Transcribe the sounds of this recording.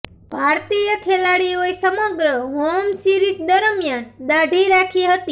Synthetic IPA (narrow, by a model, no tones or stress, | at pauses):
bʱaɾt̪ijəkʰelaɽiojsəməɡɾəɦomsiɾikd̪əɾmjand̪aɖʱiɾakʰiɦət̪i